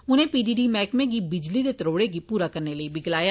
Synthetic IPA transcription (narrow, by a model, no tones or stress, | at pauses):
ʊnẽːpiːɖiːɖiːmɛːkmẽːɡiːbɪd͡ʒliːd̪eːt̪əɾoːɽeːɡiːpuːɾaːkəɾneːləiːbɪɡlaːjaː